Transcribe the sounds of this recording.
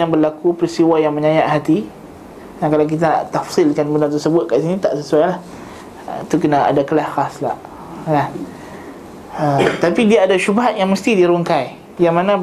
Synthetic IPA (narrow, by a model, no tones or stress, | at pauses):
jaŋbərlakupəɾist̪iwajaŋmə̃ɲajaʔhat̪i | dakalawk̬it̪ana̰ʔt̪afsilkanbəndant̪ərsəbʊt̪̚kaʔsinĩt̪aʔsəsuajlah | it̪ukənaa̰dakəlahxasla̰ʔ | nan | ət̪apidiaːdaʃubaɦat̪̚jaŋməst̪idiɾoŋkaj | jaŋmãnã